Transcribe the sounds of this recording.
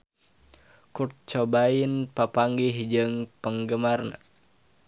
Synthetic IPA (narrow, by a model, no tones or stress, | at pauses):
kur̚t͡ʃobainpapaŋɡihd͡ʒɨŋpəŋɡəmarna̰